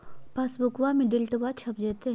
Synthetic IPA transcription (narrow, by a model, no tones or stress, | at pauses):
pasbʊkwamẽɖɪlʈəʋat͡ʃʰɐp̚d͡ʒeːt̪eɦ